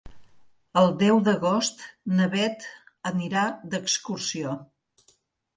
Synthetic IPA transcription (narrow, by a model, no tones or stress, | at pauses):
əlˠd̪ɛwd̪əɣost̪nəβɛt̪əniɾad̪əkskursio